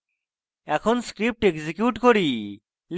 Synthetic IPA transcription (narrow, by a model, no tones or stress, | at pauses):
ɛkʰonskɾip̚ʈeɡzikjuʈkoɾi | l